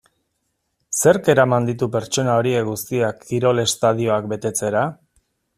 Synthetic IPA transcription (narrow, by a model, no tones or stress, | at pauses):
se̞ɾke̞ɾamand̪it̪upe̞ɾt͡ʃo̞nao̞ɾie̞kɡust̪iakːiɾo̞le̞st̪að̞io̞ak̚be̞t̪e̞t͡se̞ɾa